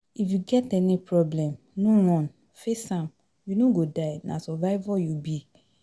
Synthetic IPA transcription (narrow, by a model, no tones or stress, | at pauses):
ifjuɡɛtɛnĩpɹɔblɛ̃m | nowɔ̃n | fesãm | junoɡodaɪnasɔvaɪvɔjubi